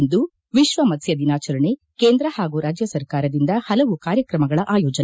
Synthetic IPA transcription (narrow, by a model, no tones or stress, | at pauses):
nd̪u | ʋiʃʋɐmɐt̪sjɐd̪inaːt͡ʃɐɾɐɳe | keːnd̪ɾɐhaːɡuɾaːd͡ʒjɐsɐɾkaːɾɐd̪ind̪ɐhɐlɐʋukaːɾjɐkɾɐmɐɡɐɭɐʔaːjɔːd͡ʒɐ